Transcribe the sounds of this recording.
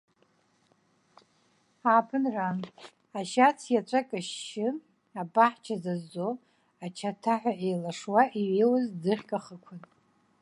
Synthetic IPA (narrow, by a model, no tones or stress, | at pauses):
aːpʰɨnran | aʃat͡sʰjat͡ʃʷʼakʼɨʃːɪ | abaħt͡ʃʰazazːo | at͡ʃʰatʰaħʷaʔejlaʂwaʔiɥejwazd͡zɨχʲkʼaχəkʷʰʊn